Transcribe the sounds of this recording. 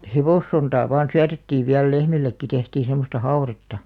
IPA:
heʋoˑsːontɑː ʋɑːn syætetːiːʋ ʋiæl lehmilːekːi tehtiː semˑostɑ hɑu̞retːɑ

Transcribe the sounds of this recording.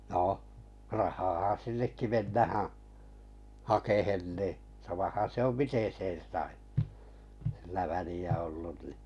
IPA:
noh rɑhɑːhɑ sinːekːi menːæhæ̃ː hɑkehen niˑ sɑmɑhɑn̞ se om miten̞ sen̞ sɑi silːæ ʋæliæ olːun ni

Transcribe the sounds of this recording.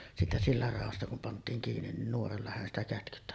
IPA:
siːtæ silːɑr rɑˑostɑ kum pɑntˑiːŋ kiːnin nin nuorɑlːɑ hæn stæ kætkytːæ

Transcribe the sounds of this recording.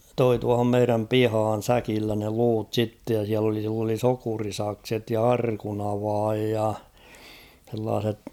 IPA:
toi tuɑhom meiræm pihɑːn̞ sækilːæ ne luːt sitːej jɑ siæl oli silː oli sokurisɑkset jɑ ɑrkunɑʋɑːj jɑ h̞elːɑːset

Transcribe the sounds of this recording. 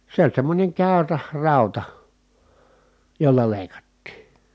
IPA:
se olʲ semːonʲeŋ kæˑyræ rɑˑutɑ jolːɑ leˑi̯kɑtːiː

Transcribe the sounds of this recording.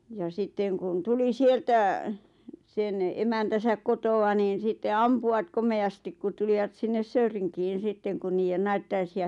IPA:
jɑ sitːeŋ kun tuli sieltæ sen emæntæsæk kotoɑ niːn̞ sitːe ɑmpuɑt komeɑstik kut tuliʋɑt sinːes søyriŋkiːn̞ sitːeŋ kun niːjen nɑitːɑisiɑ

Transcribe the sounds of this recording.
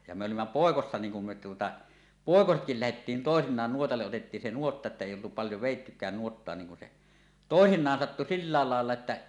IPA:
jɑ mĕ olimːɑ poˑekosːɑ niːŋ kum me tuotɑ poˑekosetkil læhetːiːn toˑesinˑɑːn nuotɑlːeʔ ʔotetːiːn se nuotːɑ etːæ eˑi oltu pɑljo ʋeˑitːykæːn nuotːoɑ niŋ kun se toˑesinˑɑːn sɑtːu silːɑːl lɑˑelːɑ etːæ

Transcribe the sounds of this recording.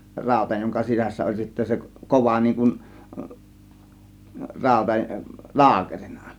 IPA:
rɑˑo̝tɑ joŋkɑ sisæsːæ olʲ sitːæ se koʋɑ niːŋ kun rɑˑo̝tɑ lɑːkeri̥n̥ɑ̥

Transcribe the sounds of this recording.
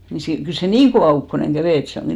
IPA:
ni si kyl se niːŋ koʋɑˑ ukːoneŋ ɡ̊æʋeˑ et se oŋɡ̊i

